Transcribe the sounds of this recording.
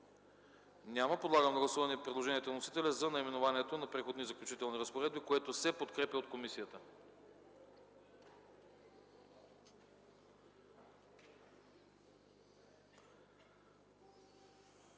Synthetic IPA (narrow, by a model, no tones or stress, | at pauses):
nʲaməpod̪lˠaɡəmnɐɡlˠɐsuvɐniɛpɾɛd̪lˠoʒɛniɛt̪onosit̪ɛlʲɐzɐnɐimɛnovanʲiɛt̪onɐpɾɛxod̪nizɐklʲut͡ʃit̪ɛlˠniɾəspoɾɛd̪̚bikoɛt̪osɛpot̪kɾɛpʲəot̪̚komisiət̪ə